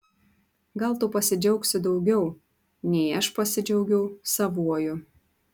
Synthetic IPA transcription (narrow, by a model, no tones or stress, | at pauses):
ɡɐlˠt̪ʊpɐsʲɪd͡ʒʲɛʊksʲɪd̪ɒʊɡʲɛʊ | nʲɛɪɐʃpɐsʲɪd͡ʒʲɛʊɡʲɛʊsɐʋuɔjʊ